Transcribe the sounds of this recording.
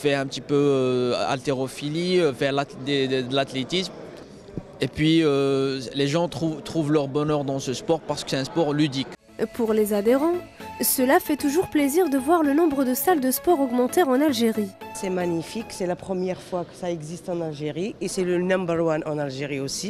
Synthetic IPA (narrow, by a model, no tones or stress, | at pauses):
fɛɛ̃pət̪ipøa̰lt̪eʁɔfilifɛʁlad̪ed̪əlat̪let̪ism | epɥiøleʒɑ̃t̪χut̪χuvlœʁbɔnœʁd̪ɑ̃səspɔʁpaʁsə̥kə̥sɛt̪ɛ̃spɔʁlyd̪ik | puʁlezad̪eʁɑ̃ | səlafɛt̪uʒuʁpleziʁd̪əvwaʁlənɔ̃bʁəd̪əsald̪əspɔʁɔɡmɑ̃t̪ɛʁɑ̃nalʒeʁisɛmaɲifiksɛlapχəmjɛʁfwakə̥saɛɡzist̪ɑ̃nalʒeʁiesɛlənɔ̃mbəʁwanɑ̃nalʒeʁiosi